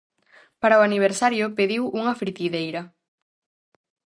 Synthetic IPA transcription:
paɾɐoaniβ̞eɾsaɾjʊpeðiwʔuŋɐfɾit̪iðejɾɐ

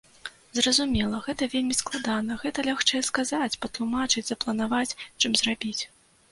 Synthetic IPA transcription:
zrɐzumʲɛlˠɐɣɛt̪ɐvʲelʲmʲisklˠad̪anɐɣɛt̪ɐlʲaxt͡ʂɛjɛskazat͡sʲpɐt̪lˠumat͡ʂɨd͡zʲzɐplˠɐnavat͡sʲt͡ʂɨmzrabʲit͡sʲ

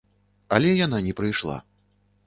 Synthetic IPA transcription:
ɐlʲɛjananʲɛpɾɨjʂlˠa̰

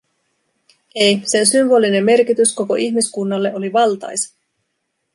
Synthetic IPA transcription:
ejse̞nsymbo̞ːline̞mːe̞rkit̪ysko̞ko̞̰ʔiçmiskunːɑlːe̞ʔo̞liʋɑlt̪ɑ̰jsɑ̥

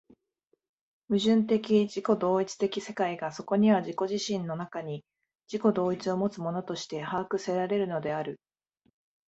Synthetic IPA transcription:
mɯ̟ʑɨ̃nt̪e̞kʲiʑiko̞d̪o̞ːit͡sɨ̥t̪e̞kʲise̞kaiɡaso̞ko̞ɲ̟iβaʑiko̞ʑiɕĩnːo̞nakaɲ̟i | d͡ʑiko̞d̪o̞ːit͡sɨo̞mo̞t͡sɨmo̞no̞t̪o̞ɕi̥t̪e̞haːkɯ̟se̞ɾaɾe̞ɾɯ̟no̞d̪e̞aɾɯ̟

